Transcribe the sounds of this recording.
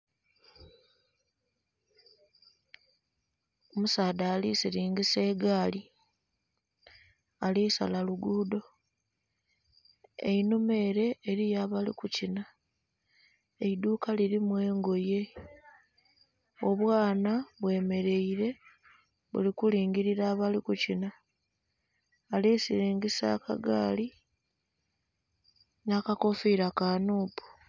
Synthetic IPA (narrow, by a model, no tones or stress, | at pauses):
omusaːdaːlisiliːŋɡise̞ːɡaːli | alisa̰laluɡuːdo̞ | ḛinume̞ːɾe̞ːɾijaːβalḭkucina | eid̪uːkaliɾimwe̞ːŋɡo̞je̞ | o̞βwaːnaβwe̞ːme̞ɾe̞iɾe̞ | βṵlikuliːŋɡiɾiɾaːβalikucina | lisiɾiːŋɡisa̰ːka̰ɡa̰ːli | nakako̞fiːɾakaːnuːpu̥